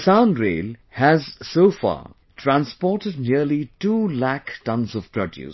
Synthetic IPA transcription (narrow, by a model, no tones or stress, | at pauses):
sãnɾeːlhæzsoːfa̰ː | tʰɾãnspɔːʈəd̚niəlituːlæktʌ̃nzɔv̥pɾɔdjṵs